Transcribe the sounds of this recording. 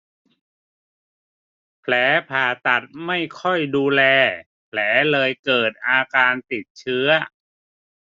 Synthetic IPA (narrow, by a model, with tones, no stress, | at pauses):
pʰlɛː˩˦pʰaː˨˩t̪a˨˩t̪̚ma˥˩jkʰɔ˥˩jduː˧lɛː˧ | pʰlɛː˩˦˥lɤː˧jkɤː˨˩t̪̚ʔaː˧kaː˧nt̪i˨˩t̪̚t͡ɕʰɯ˦˥ɐ